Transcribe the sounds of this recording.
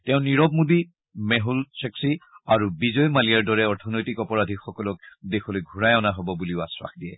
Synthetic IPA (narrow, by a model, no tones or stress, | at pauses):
tɛʊ̃niɹɔb̚mubi | mɛɦulsɛksiaɹubizɔjmalijaɹdɔɹɛɔɹtʰɔnojtikɔpɔɹadʱixɔkɔlɔkdexɔlojɡʱuɹajɔnaɦɔbɔbuliʊaswa̰xdiɛ̰